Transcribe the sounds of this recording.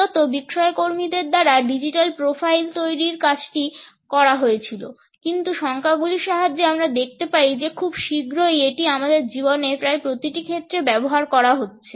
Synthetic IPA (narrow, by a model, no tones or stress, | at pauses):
ɔt̪obikʃɔekoɾmid̪eɾd̪aɾaɖid͡ʑiʈalpɾofajlt̪ojɾiɾkat͡ɕʰʈi | kɔɾaɦojet͡ɕʰilo | kint̪uʃɔŋkʰaɡuliʃaɦad͡ʑeamɾad̪ek̚ʰt̪epaɾid͡ʑekʰubʃiɡɾojeʈiamad̪eɾd͡ʑibonepɾajpɾot̪iʈikʰet̪ːɾebɛboɦaɾkɔɾaɦotːɕʰe